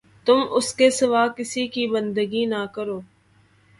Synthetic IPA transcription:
t̪ʊmʊskesɪʋaːkɪsikibə̃nd̪əɡinakəɾoː

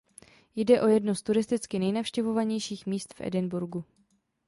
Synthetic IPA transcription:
jdɛʔo̞jɛdnost̪uɾɪst̪ɪt͡skɪnɛjnafʃcɛvo̞vaɲɛjʃiːxmiːst̪fʔɛ̰dɪnbuɾɡu

